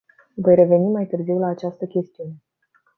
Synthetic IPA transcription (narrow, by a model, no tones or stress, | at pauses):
vo̞jɾe̞ve̞nimːajt̪ɨrziwlaːt͡ʃast̪əkʲe̞st̪iune̞